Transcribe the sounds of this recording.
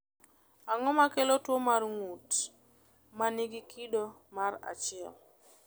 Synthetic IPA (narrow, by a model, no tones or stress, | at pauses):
aŋɔmakelotwomarŋut | manɪɡɪkʰido | mara̰t͡ʃɪɛ̰l